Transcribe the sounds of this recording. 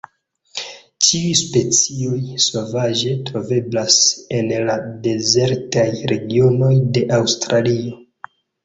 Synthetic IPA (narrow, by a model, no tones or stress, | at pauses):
t͡ʃiujspe̞t͡sio̞jso̞vaʒe̞tɾo̞ve̞blase̞nlade̞ze̞ɾtajɾe̞ɡio̞no̞jde̞ʔawstɾʔalio̞